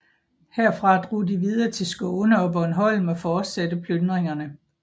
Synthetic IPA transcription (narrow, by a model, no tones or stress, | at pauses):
heɐ̰fʁɑ̈d̥ʁo̰ːdiʋið̞ˠɐːt͡sʰe̝lsɡ̥ɔʊnəɒ̽b̥ɒ̽nɦɒ̽l̰m̩ɒfɒːd̥sedəpʰlønd̥ʁeŋɐnə